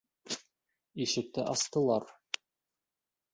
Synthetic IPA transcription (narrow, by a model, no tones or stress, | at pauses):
iʃɘ̆k̚t̪ɘʔɑst̪ɤ̆lˠɑɾ